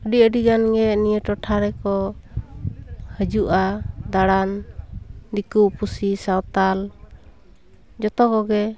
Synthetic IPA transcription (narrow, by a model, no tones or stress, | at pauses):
əɖiəɖiɡanɡɛnijəʈɔʈʰaɾɛkɔ | həd͡ʒuʔad̪aɽan | d̪ikupusisawt̪al | d͡ʒɔt̪ɔkɔɡɛ